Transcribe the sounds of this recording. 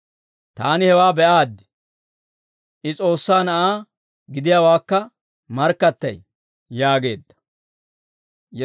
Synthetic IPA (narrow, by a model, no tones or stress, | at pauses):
t̪aːnɪhɛwaːbɛʔaːd̪ːɪ̥ | ʔɪt͡sʼo̞ːsːaːnɐʔaː | ɡɪd̪ɪjaːwaːkːɐ | mɐɾkːɐt̪ːɐ̰j | jaːɡe̞ːd̪ːɐ̥ | j